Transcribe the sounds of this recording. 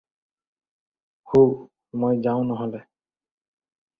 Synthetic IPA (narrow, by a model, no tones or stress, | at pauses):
ho | mojzaʊ̃nɔɦɔle